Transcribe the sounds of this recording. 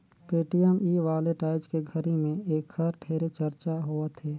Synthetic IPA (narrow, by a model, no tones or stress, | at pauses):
peːʈijɛmiːʋaːleʈaːɪd͡ʒkeɡʱəɾimẽeːkxɐɾʈʰeːɾet͡ʃəɾt͡ʃaɦoːət̪ʰeː